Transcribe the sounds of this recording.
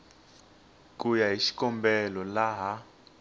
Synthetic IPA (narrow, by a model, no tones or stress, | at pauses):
kʼujaɦiʃi̥kʼɔmbɛlɔlaɦa